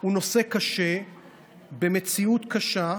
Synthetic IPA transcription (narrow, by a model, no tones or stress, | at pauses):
uno̞se̞kaʃe̞ | bemet͡siut̪kaʃa